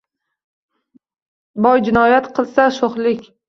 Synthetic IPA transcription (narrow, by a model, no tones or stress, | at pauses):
bɒjd͡ʒɪnɒjat̪qʰɨlˠsaʃoχlɪkʲ